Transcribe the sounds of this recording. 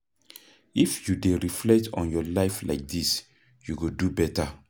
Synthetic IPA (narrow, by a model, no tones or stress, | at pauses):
ifjudeɹiflɛk̚tʰɔ̰̃njɔlaɪfla̰ɪk̚dis | juɡodubɛta